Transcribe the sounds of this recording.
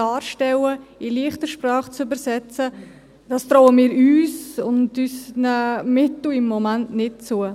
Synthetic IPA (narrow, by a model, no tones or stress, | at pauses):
ɑːɾʃtɛləɪliəχtəʃprɑːχt͡sybəɾsɛt͡sə | d̥ɑːstɾɔːəmiːɾyːsʊndysnəmɪtl̩ɪmːomantnɪt̚t͡suə